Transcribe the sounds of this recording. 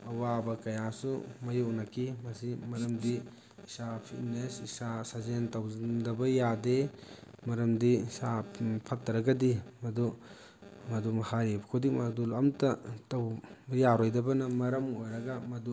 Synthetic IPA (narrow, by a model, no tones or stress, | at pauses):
ɐwabɐkɐjasumɐjownɐkʰimɐsimɐɾɐmdiː | sapʰitnesisasazentawndɐbɐjademɐɾɐmdiisapʰɐtːɐɾɐɡɐdimɐdu | mɐdumɐhaɾibɐkʰudikmadulamtɐtɐwbjaɾojdɐbɐnɐmɐɾɐmojɾɐɡamɐdu